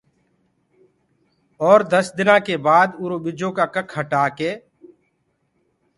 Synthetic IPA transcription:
ɔːɾd̪əsd̪ɪnãːkeːbaːd̪ʊɾoːɓɪd͡ʒõːkaːkəkʰhəʈaːkeː

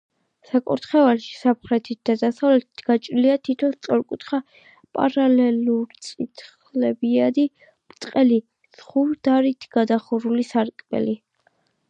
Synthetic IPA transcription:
sakʼɔ̰ɾt̪χɛvalʃi̥sapχɾɛt̪ʰit̪̚d̪̥ad̪asavlɛt̪ʰi̥t̪ʰɡ̥at͡ʃʼɾiliat̪ʰit̪ʰɔst̪sʼɔɾkʼut̪χa | pʼa̰ɾalɛluɾt̪sʼit̪ʰχ | lɛbiad̪i | mɾt̪ʼqʼɛli | sχuɾd̪̥aɾit̪ʰɡad̪aχɔɾulisaɾkʼbɛ̰li

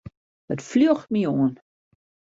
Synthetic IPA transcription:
dətfløəxt̚mioən

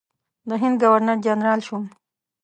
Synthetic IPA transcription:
d̪əɦɪnd̪ɡawaɾnaɾd͡ʒanɾɑːlʃum

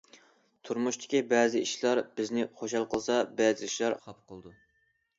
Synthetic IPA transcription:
t̪ʰuɾmuʃt̪ʰɪ̥kʲibɛːzɪiʃlˠɑɾbɪznɪχoʃɑlˠqʰəlˠsɑbɛd̪ɪlɪʃlˠɑɾpqʰˠd̪u

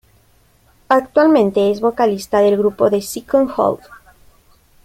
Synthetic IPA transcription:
akt̪walmẽnt̪eezβokalist̪aðelɣɾupoðesikõŋxo̰ld̪

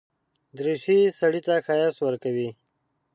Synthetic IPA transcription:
d̪ɾeʃisaɽit̪axajaswəɾkawi

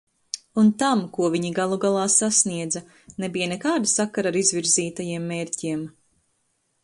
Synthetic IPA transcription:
unt̪amkuɔviɲiɡalˠuɡalˠɑːsasniɛd̪zɐ | nebijanɛkaːd̪asakaɾaɾizvʲiɾziːt̪ajiɛmːeːɾʲciɛm

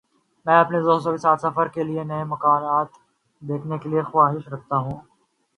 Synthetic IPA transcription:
mɛ̃ːɐpned̪oːs̬ɔkesaːt̪sɐfəɾkelienɐemɐkaːɾaːt̪ | d̪eːkʰnekeliexʊaːɦɪʃɾɐk̚ʰt̪aɦũː

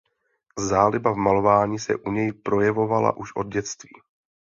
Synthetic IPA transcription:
zaːlɪbavmalo̞vaːɲiːsɛ̰ʔuɲɛjpɾo̞jɛvo̞vala̰ʔuʃʔo̞d̪̚ɟɛt͡st̪viː

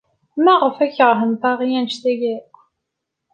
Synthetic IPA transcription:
mæʁəfæçəʁɦənt̪ˤɑʁijænʃt̪æɡæ

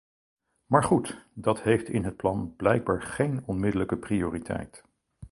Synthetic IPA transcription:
maːɹχutdɑtɦejftɪnɦət̚plɑnb̥lɛjɡ̚baːɹχejnɔnmɪdələkəprioːritʰɛ̰jt

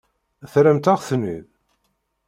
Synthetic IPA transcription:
θɾæmt̪aʁθnːḭð

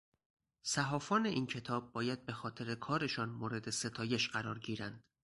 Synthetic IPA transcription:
sæɦɒːfɒːne̞ʔiːncʰe̞t̪ʰɒːb̚ːɒːjæd̪̚be̞xɒːt̪ʰe̞ɾekʰɒːɾe̞ʃɒːnmoːɾe̞d̪e̞se̞t̪ʰɒːje̞ʃɢæɾɒːɾɟiːɾænd̪̥

